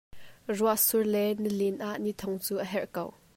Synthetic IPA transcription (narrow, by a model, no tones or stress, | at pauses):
ruaʔsurlɛnəlinʔaʔnit̪ʰɔŋt͡suːʔəɦɛrʔkow